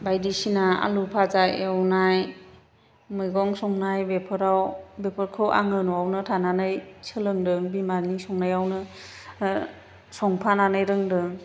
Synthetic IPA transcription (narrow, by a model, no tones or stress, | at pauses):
bajdisinaa̰lupʰazaewnaj | mɯjɡɔŋsɔŋnajbepʰɯɾawbepʰɯɾkʰɯwʔa̰ŋɯnɔawnɯtʰananajsɯlɯŋdɯŋbimanisɔŋnajawnɯ | sɔŋpʰananɯjɾɯŋdɯŋ